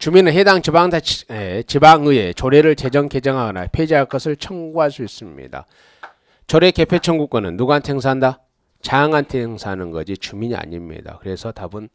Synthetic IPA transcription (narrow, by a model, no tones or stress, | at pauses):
t͡ɕuminɯnɦedaŋt͡ɕibaŋdaet͡ɕibaŋɯet͡ɕoɾeɾɯɭt͡ɕe̞d͡ʑʌŋke̞d͡ʑʌŋɦaɡʌna̰pʰed͡ʑiɦaɭk͈ʌsʰɯɭt͡ɕʰʌŋɡuɦaɭs͈uis͈ɯmɲḭda̰ | t͡ɕʌɾe̞ke̞pʰet͡ɕʰʌŋɡuk͈̚anɯnːuɡantʰeŋs̬ʰanda | t͡ɕaŋantʰeŋsʰanɯnɡʌd͡ʑit͡ɕumiɲia̰ɲimɲḭda̰kɯɾe̞sʰʌtabun